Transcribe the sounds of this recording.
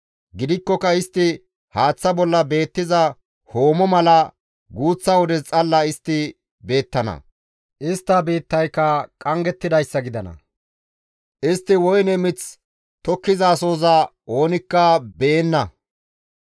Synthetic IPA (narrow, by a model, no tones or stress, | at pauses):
ɡɪd̪ɪkːɔkɐɪst̪ːɪ | haːt͡sːɐbɔlːɐbe̞ːt̪ːɪzɐ | ho̞ːmɔmɐlɐ | ɡuːt͡sːɐwɔd̪ɛt͡sʼɐlːɐɪst̪ːɪ | be̞ːt̪ːɐnɐ̰ | ʔɪst̪ːɐbeːt̪ːɐjkːɐkʼɐŋɡɛt̪ːɪd̪ɐjsːɐɡɪd̪ɐnɐ̰ | ʔɪst̪ːɪwɔjnɛmɪt͡s | t̪ɔkːɪzɐːso̞ːzɐʔo̞ːnɪkːɐbeːnːɐ